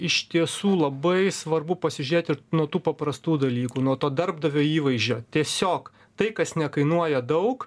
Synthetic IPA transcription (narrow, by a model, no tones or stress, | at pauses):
ɪʃt̪ʲiɛsuːlˠɐbɐɪsʋɐrbʊpɐsʲɪʒʲʉɾʲeːt̪ʲɪnuɔt̪uːpɐpɾɐst̪uːd̪ɐlʲiːkuːnuɔt̪oːd̪ɐrb̚d̪ɐʋʲoːiːʋɐɪzʲd͡ʒʲoːt̪ʲiɛsʲoːk | t̪ɐɪkɐsnʲɛkɐɪnuɔjɛd̪ɐʊk